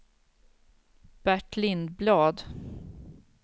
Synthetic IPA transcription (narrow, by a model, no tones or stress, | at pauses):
b̥æʈlɪnd̪̚blɑːd̪